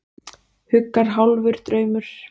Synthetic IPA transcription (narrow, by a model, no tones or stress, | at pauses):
hʏkːaɾ̥ɦawlvʏɾ̥t̪ɾœːɥmʏɾ̥